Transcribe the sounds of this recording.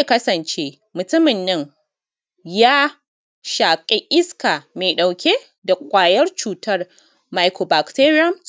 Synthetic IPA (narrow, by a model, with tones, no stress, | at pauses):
e˨kɐ˦sɐ˨nt͡ʃeː˦ | mʊ˨tʊ˦mɪ˨nːɐ˦ŋ | jaː˦ | ʃaː˨kʲʼe˦ʔɪ˦ska˨meː˨jɗa˨wkʲe˦ | da˨kʷʼaː˨jɐ˦rt͡ʃuː˨tʰɐ˦r | ma˦jkʰoː˨ba˨kte˦ɾi˦ɐ˦m